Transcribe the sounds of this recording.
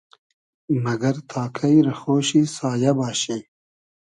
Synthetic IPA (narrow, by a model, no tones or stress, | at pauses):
mɐɡɐɾt̪ʰaːkʰɐjɾɐxoːɕisaːjɐbaːɕe